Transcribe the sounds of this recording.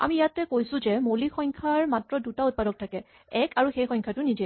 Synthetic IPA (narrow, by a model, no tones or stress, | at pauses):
a̰mijatɛkojsʊ̃zɛmolixɔjŋkʰaɹmatɹɔdutaut̚padɔk̚tʰakɛ | ɛkʰaɹuxejxɔ̃jŋkʰatʊnidi